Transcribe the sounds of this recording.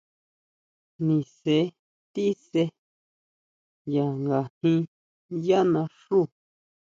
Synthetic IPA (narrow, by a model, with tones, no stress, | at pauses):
nĩ˨se˨˦ | t̪i˦se˧ | ja˨ŋɡa˨nĩ˧ | ja˦nã˧ʂu˦˨